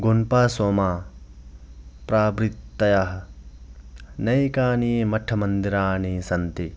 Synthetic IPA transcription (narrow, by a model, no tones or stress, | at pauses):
ɡonpaːsoːmaː | pɾaːbɾit̪ːɐjaɦɐ | nɐjkaːniːmɐʈʰɐmɐnd̪iɾaːniːsɐnt̪i